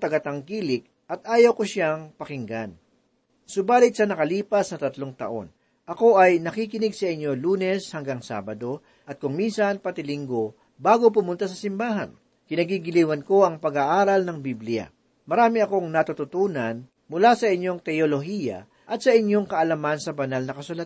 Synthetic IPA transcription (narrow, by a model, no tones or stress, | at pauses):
t̪ɐɡɐt̪ɐŋkiːlɪk̚ | ɐt̪̚ʔaːjɐwkoʃaŋpɐkɪŋɡan | sʊbaːlɪt̪̚sɐnɐkɐliːpɐsnɐt̪ɐt̪loŋt̪ɐ̰ʔo̞̰n | ʔɐko̞ʔɐjnɐkikɪnɪɡsɐʔɪɲːo̞luːnɛshɐŋɡaŋsa̰ːbɐd̪o̞ | ʔɐt̪̚kʊŋminsɐnpɐt̪ɪlɪŋɡo̞ | baːɡo̞p̬ʊmʊnt̪asɐsɪmbaːɦɐ̰n | kɪnɐɡiɡɪliːwɐnko̞ɐŋpɐɡaʔaːɾɐlnɐŋbiblɪja̰ | mɐɾaːmɪɐko̞ŋnɐt̪ʊt̪ʊt̪uːnɐn | mʊlasɐʔɪɲːo̞ŋt̪ɛjolo̞ɦiːjɐ̰ | ʔɐt̪̚sɐɪɲːo̞ŋkɐʔɐlɐmansɐbɐnalnɐkɐsʊlɐt̪